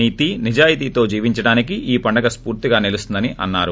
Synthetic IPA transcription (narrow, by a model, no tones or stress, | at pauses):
iːt̪inid͡ʒaːjit̪iːt̪o̞ːd͡ʒiːʋiɲt͡ʃɐɽaːnikiʔiːpɐɳɖɐɡɐspuːɾt̪iɡaːnilust̪und̪ɐniʔɐnːaːɾu